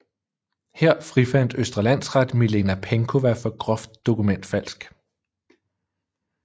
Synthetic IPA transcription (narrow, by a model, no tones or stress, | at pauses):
heɐ̰fʁifæn̰d̥øsd̥ʁɐlæn̰sʁɑd̥milenæpʰeŋkʰo̝ʋæɐfɒ̽ɡ̥ʁɒ̽fd̥ːo̝kumen̰d̥fæl̰sɡ̥